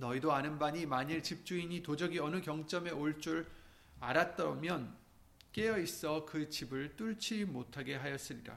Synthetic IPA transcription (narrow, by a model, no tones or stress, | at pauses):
nʌidoanɯnbaɲimaɲiɭt͡ɕip̚t͡ɕ͈uiɲitod͡ʑʌɡiʌnɯkjʌŋt͡ɕ͈ʌme̞oɭt͡ɕ͈uɾ | aɾat̚t͈ʌʌmjʌn | k͈e̞jʌis͈ʌkɯt͡ɕibɯɭt͈uɭt͡ɕʰimotʰaɡe̞ɦajʌs͈ɯɾiɾa̰